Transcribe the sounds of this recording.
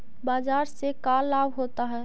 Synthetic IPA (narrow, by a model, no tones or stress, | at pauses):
baːzaːɾsekaːlːaːbɦoːt̪aɦɛː